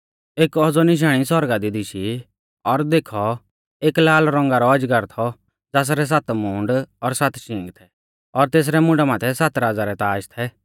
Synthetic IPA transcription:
eːkɔd͡zɔnɪʃ̬aːɽ̃isɔɾɡad̪id̪ɪʃi | ɔɾd̪eːkʰɔ | eːklaːlɾɔ̃ŋɡaɾɔɐd͡ʒɡəɾt̪ʰɔ | d͡zaːs̬ɾɛs̬at̪mũːɳɖɔɾsat̪ʃĩːŋɡt̪ʰɛ | ɔɾt̪eːs̬ɾɛmʊ̃ɖamaːt̪ʰɛsat̪ɾaːd͡zaɾɛt̪aːʃt̪ʰɛ

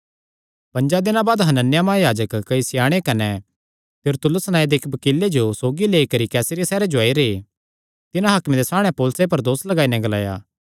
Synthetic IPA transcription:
pɐ̃ɲd͡ʒad̪ɪnãbaːd̪ɦɐnənːɪjamãjaːd͡ʒəkːɐisɪjaːɽ̃ekɐnɛ | t̪ɪɾt̪ʊlʊsnãːed̪eːkʰbɐkilːed͡ʒosoːɡileːikɐɾikɛːsəɾijasɛːɾed͡ʒʊaːiɾe | t̪ɪnãɦɐːkmed̪esaːɽ̃ɛpoːlsep̬ɐɾd̪oːslɐɡaːinɛ̃ɡɐla̰ːja̰ː

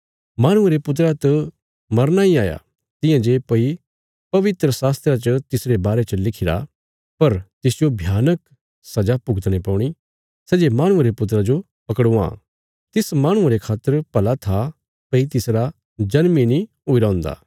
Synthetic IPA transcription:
maːɽ̃ʊ̃eɾepʊt̪̬ɾat̪ɐ | mɐɾnaiaːja̰ | t̪ɪ̃jãd͡ʒepɐi | pɐʋɪt̪ɾəsaːst̪ɾat͡ʃət̪ɪsɾebaːɾet͡ʃəlɪkʰɪɾa̰ | pɐɾt̪ɪsd͡ʒobʱjaːnək | sɐd͡ʒapʊɡət̪ɽ̃epɔ̃ːɽ̃i | sɛd͡ʒemaːɽ̃ʊ̃eɾepʊt̪ɾad͡ʒo | pɐkɽuã̰ | t̪ɪsmaːɽ̃ʊ̃aɾekʰaːt̪ːəɾpɐlat̪ʰa | pɐit̪ɪsɾa | d͡ʒɐnminĩɦoːiɾaɦʊ̃ːnd̪a̰ː

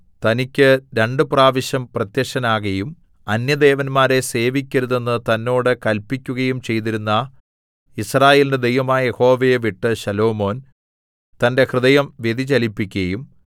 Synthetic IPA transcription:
t̪ɐnikʲːɨɾeɳɖɨpraːʋɐɕɐmprɐt̪jɐʂɐnaːɣɐjum | ɐnjɐd̪e̞ːʋɐnmaːɾe̞se̞ːʋikʲːɐɾuðe̞nːɨt̪ɐnːo̞ːɽɨkɐlpikʲːuɣɐjumt͡ɕe̞jt̪̬iɾunːɐ | israːje̞ːlinded̪e̞jʋɐmaːjɐje̞ho̞ːʋejeʋiʈːɨɕɐlo̞ːmo̞ːn | t̪ɐnde̞hrɨðɐjɐmʋje̞d̪ʱit͡ɕɐlipːikʲːɐjum

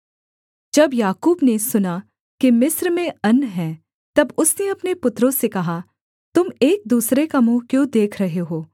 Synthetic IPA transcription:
d͡ʒɐbjaːkuːbnesʊna | kimɪsɾmẽɐnːɦɛ̃ː | t̪ɐbʊsneɐpnepʊt̪ɾõsekɐɦa | t̪ʊmeːk̚d̪uːsɾekamũkjõːd̪eːkʰɾɐɦeɦoː

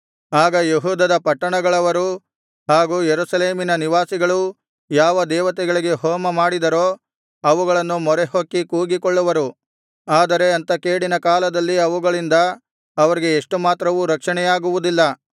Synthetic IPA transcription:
aːɡɐjeɦuːd̪ɐd̪ɐpɐʈːɐɳɐɡɐɭɐʋɐɾu | ɦaːɡuːjeɾusɐleːminɐniʋaːsiɡɐɭu | jaːʋɐd̪ɛːʋɐt̪ɛɡɐɭiɡe̞ɦɔːmɐmaːɽid̪ɐɾoː | ɐʋuɡɐɭɐnːumɔɾeɦokːikuːɡikoɭːuʋɐɾu | aːd̪ɐɾe̞ɐnt̪ɐkeːɽinɐkaːlɐd̪ɐlːiɐʋuɡɐɭind̪ɐː | ʋɐɾiɡe̞ːʂʈumaːt̪ɾɐʋuɾɐkʂɐɳɛjaːɡuʋud̪ilːɐ

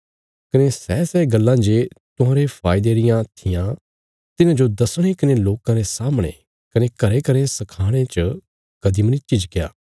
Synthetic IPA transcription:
kɐnesɛːsɛɡɐlːãd͡ʒet̪ʊɦãːɾepʰaːɪd̪eɾɪjãt̪ʰɪjã | t̪ɪnãd͡ʒod̪ɐsɽ̃ekɐneloːkãɾesaːmɽ̃ḛ̃ | kɐnekɐɾekɐɾesɐkʰaːɽ̃et͡ʃə | kɐd̪imɐnit͡ʃid͡ʒkeja̰ː

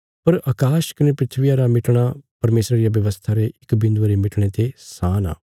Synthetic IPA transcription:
pɐɾɐkaːʃkɐnepɾɪt̪ʰʋijaɾamɪʈɽ̃apɐɾmeːsɾaɾɪjaʋjɐʋəst̪ʰaɾeɪkbɪ̃nd̪ʋaɾemɪʈɽ̃et̪esaːna̰ː

